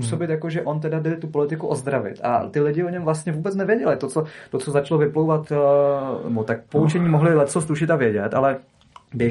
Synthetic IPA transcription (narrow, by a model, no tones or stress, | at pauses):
uso̞bɪt̪jakoʒɛʔo̞nt̪ɛdadɪlɪt̪upo̞lɪt̪ɪkuʔo̞zd̪ɾavɪ̰t̪a̰t̪ɪlɪɟɪoɲɛmvlast̪ɲɛvuːbɛt͡snɛvjɛɟɛlɪt̪ot͡sot̪o̞t͡sozat͡ʃlovɪplowvat̪ | nɛ̰bot̪ak̚pout͡ʃɛɲiːmoɦlɪlɛpsost̪uʃɪt̪avjɛɟɛt̪a̰lɛ | bjɛ